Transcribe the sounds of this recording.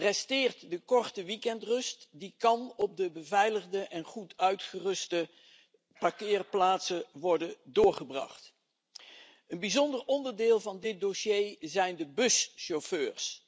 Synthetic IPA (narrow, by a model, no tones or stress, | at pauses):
rɛstɪːɹtdəkɔɹtəʋikɛntrɵstdikɑnɔb̚dəbəvɛjləχdəʔɛnχutœɥtχərɵstə | pakɪːrplaːtsəʋɔɹdəndʊːɹχəbrɑ̰χt | ənbizɔndəɹɔndəɹdɪːlˠvɑndɪt̚doʃejzɛjndəbɵsʃoføːɹs